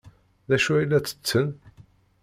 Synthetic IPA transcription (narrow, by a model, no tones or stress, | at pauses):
ðæʃuæilːæt͡sːə̥t͡sːən